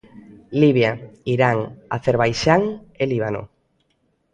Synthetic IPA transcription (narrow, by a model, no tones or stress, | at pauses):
liβjaiɾaŋa̰θeɾβajʃaŋeliβano̰